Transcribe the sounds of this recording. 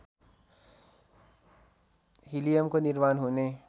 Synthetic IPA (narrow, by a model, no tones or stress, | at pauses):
ɦilijəmkoniɾmaːnɦune